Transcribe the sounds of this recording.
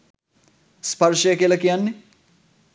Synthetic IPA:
spɐrʃəjəkiəlɐkijanːe

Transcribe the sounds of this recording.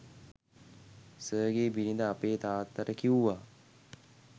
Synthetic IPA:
səːɡeːbiɾind̪əapeːt̪aːt̪ːəɾəkiuʋa

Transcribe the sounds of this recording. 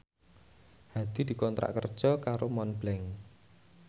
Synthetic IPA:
had̪̥i̤d̪̥i̤kɔnt̪ɾa̰ʔkərd̥ʒ̥ɔkaɾomɔnblɛŋ

